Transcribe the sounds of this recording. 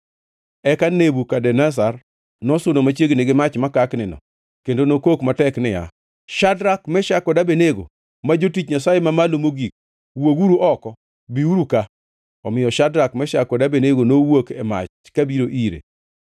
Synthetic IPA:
ɛkanebukadɛnas̬ar | nɔsonomat͡ʃjeɡnɪɡɪmat͡ʃmakaknɪnɔ̰ | kendonokokmatɛknɪja̰ | ʃadɾakmɛʃakɔdabeneɡo̰ | mad͡ʒotit͡ʃɲasajemamalomoɡik̚ | woɡuɾuʔɔkɔ | biuɾuka | ɔmɪjɔʃadɾakmɛʃakɔdabeneɡonowokɛ̰ma̰t͡ʃ | kabiɾoʔiɾḛ

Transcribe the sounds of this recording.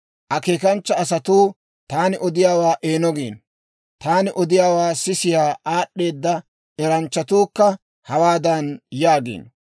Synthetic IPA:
ʔɐkeːkɐnt͡ʃːɐːsɐt̪uː | t̪aːnɪʔɔd̪ɪjaːwaːʔe̞ːnɔɡeːn | t̪aːnɪʔɔd̪ɪjaːwaːsɪsɪjaːaːɗːe̞ːd̪ːɐ | ʔɛɾɐnt͡ʃːɐt̪uːkːɐ | hɐwaːd̪ɐnjaːɡḛːn

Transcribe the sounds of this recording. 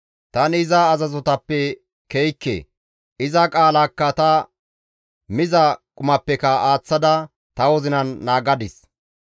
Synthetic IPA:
t̪ɐnɪzɐːzɐzɔt̪ɐpːɛ | kɛjkːḛ | ɪzɐkʼaːlakːɐt̪ɐ | mɪzɐkʼʊmɐpːɛkɐaːt͡sːɐd̪ɐ | t̪ɐwɔzɪnɐnːaːɡɐd̪ɪs

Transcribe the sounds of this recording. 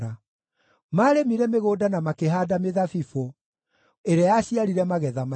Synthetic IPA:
a | maːɾemiɾɛmeɣoːdanamakeɦaːdameðafifo | eɾeajaɕiaɾiɾɛmaɣɛðama

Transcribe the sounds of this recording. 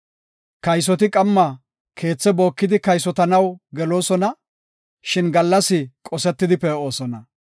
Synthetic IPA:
kɐjs̬ɔt̪ɪkʼɐmːɐ | kʰe̞ːt͡sːɛbo̞ːkːɪd̪ɪkɐjsɔt̪ɐnɐwɡɛlo̞ːsɔnɐ | ʃɪnɡɐlːɐsɪkʼɔsɛt̪ːɪd̪ɪpɛo̞ːsɔnɐ

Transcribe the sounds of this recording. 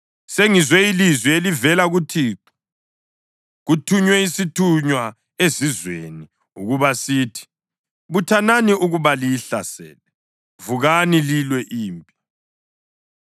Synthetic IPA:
seŋizwɛilizwielivɛlaɣutʰiːǃu̥ | ɣutʰuɲwɛisitʰuɲwa | ezizwḛni | uɣuβasiːtʰi̥ | βutʰananiʔuɣuβalijiɬasɛ̰ːlɛ | vuɣanililwɛʔiːmpʼi

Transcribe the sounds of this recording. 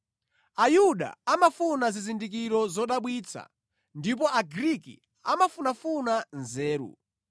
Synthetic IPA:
ajuɗa̰amafunazizindik̬iɾɔzɔɗaɓwiːt͡sʰa̰ | ndip̬ɔaɡɾikḭ | a̰mafunafunanzɛːɾṵ

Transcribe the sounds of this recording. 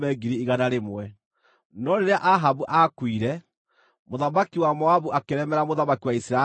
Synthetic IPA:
mɛɡiɾiːɣanaɾemwɛ | nɔɾeɾeaʔaɦaβuʔakwiɾɛ | moðamakiwamɔaβuʔakeɾɛmɛɾamoðamakiwaisɾa

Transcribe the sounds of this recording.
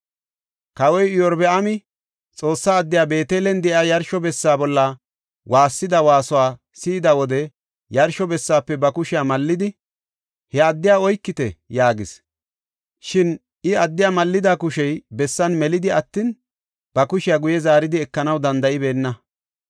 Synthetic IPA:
kɐwɔjɪjɔɾbɛɐmɪ | t͡sʼo̞ːsːaːd̪ːɪjaːbe̞ːt̪eːlɛnd̪ɛʔaːjɐɾʃɔbɛsːaːbɔlːɐ | waːsːɪd̪ɐwaːsɔwaː | siːd̪ɐwɔd̪ɛ | jɐɾʃɔbɛsːaːpːɛbɐkʊʃɪjaːmɐlːɪd̪ɪ | hɛɐd̪ːɪjaːɔjkːɪt̪ɛjaːɡɪs | ʃɪn | ʔɪɐd̪ːɪjamɐlːɪd̪aːkʊʃɛjbɛsːɐnmɛlɪd̪ɪɐt̪ːiːn | b̥ɐkʊʃɪjaɡʊjɛzaːɾɪd̪ɪɛkːɐnɐwd̪ɐnd̪ɐʔɪbe̞ːnːɐ

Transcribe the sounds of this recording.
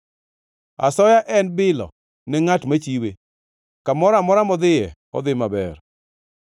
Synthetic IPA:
a̰sɔjaʔɛnbɪlɔ̰ | nɛŋatmat͡ʃiwe | kamɔɾamɔɾamɔd̪ɪjɛ | ɔ̰d̪ɪmabɛ̰r

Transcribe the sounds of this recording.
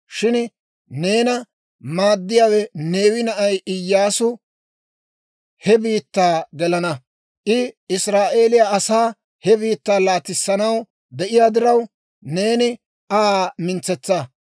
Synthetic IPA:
ʃɪn | ne̞ːnɐ | maːd̪ːɪjaːwɛne̞ːwɪnɐʔɐjʔɪjːaːsʊ | hɛbiːt̪ːaːɡɛlɐnɐ | ʔɪɪsɾaːʔe̞ːlɪjaɐsaː | hɛbiːt̪ːaːlaːt̪ɪsːɐnɐw | d̪ɛʔɪjaːd̪ɪɾɐw | ne̞ːnɪ | amɪnt͡sɛt͡sːɐ

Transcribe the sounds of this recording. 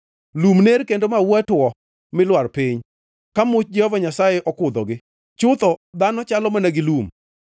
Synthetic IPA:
lumneɾkendomawɛtwɔ | mɪlwarpɪɲ | kamʊt͡ʃd͡ʒɛhɔvaɲasajeʔɔkʊd̪ɔɡɪ | t͡ʃʊt̪ɔd̪anɔt͡ʃalɔmanɛɡɪlum

